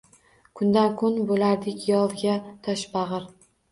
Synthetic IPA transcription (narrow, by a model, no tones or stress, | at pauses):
kʰʊnd̪ankʰʊnbolaɾd̪ɪkʲjɒlˠɡʲat̪ʰɒʃbɑʁɨɾ